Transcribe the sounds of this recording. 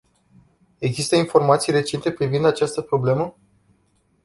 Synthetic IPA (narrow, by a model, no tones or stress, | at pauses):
e̞ɡzist̪əinfo̞rmat̪sijre̞t͡ʃe̞nt̪e̞pɾivind̪at͡ʃast̪əpɾo̞ble̞mə